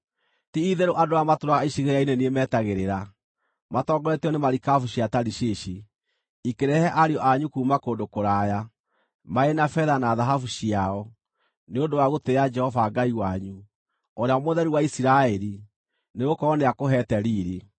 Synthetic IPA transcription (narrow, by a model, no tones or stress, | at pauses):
tiiðeɾoʔadoamatoɾaɣaiɕiɣeɾaineniemɛtaɣeɾeɾa | matɔɡɔɾɛtɔnemaɾikafuɕiataɾiɕeʃi | ikeɾɛhɛʔaɾeɔʔaɲukuːmakoːndokoɾaja | maenafɛðanaːðaɦafuɕiaɔ | neondowaɣotead͡ʒɛhɔvaɡaiwaɲu | ɔɾeaɔmoðɛɾiwaisiɾaɛɾi | neɣokɔɔneakoɦɛtɛɾiːɾe